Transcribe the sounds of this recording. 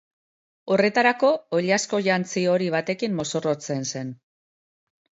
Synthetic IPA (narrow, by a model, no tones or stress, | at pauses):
o̞re̞t̪aɾako̞ːʎasko̞ʝant͡sio̞ɾiβ̞at̪e̞kimːo̞so̞ro̞t͡se̞nse̞n